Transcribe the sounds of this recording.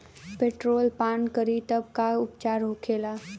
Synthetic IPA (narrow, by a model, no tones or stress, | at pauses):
peːʈɾoːlpaːnkəɾit̪əb̚kaʊpt͡ʃaːɾɦokʰeːlaː